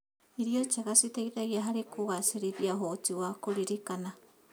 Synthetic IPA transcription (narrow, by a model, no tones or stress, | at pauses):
iɾiot͡ʃakasit̪eit̪aiaɦaɾikoɣaseɾibiaɦot͡ʃiwakoɾiɾikana